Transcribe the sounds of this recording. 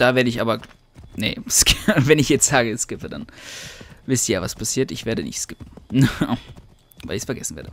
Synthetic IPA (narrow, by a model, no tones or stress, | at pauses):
d̥aːveːɐdəɪçʔa̰ːbɐ | nə̰skɪvɛnɪçjɛt͡stz̥aːɡəskɪpɐda̰n | vɪstjəjaːvaspʰasiːɐtɪçv̥eːɐdənɪ̰çtskɪpn̩n | vaɪlɪçsfɛɐɡɛsn̩veːɐdə